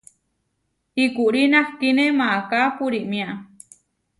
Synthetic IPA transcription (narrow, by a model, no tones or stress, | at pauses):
ikuʔɾinahkinẽmaakapuɾiʔmĩaʔ